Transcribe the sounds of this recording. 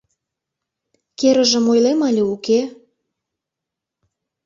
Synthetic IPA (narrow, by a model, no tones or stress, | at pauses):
keɾə̆ʒə̆mojlemɑlʲeuke